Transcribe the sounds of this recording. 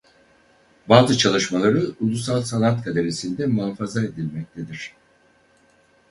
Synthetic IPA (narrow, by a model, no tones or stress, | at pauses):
baːzɯt͡ʃʰalˠɯʃmalˠaɾɯulˠusalˠsanat̪kʰad̪e̞ɾesind̪ɛmuafazae̞d̪ilʲmɛc̚t̪ʰe̞d̪iɾ̝̥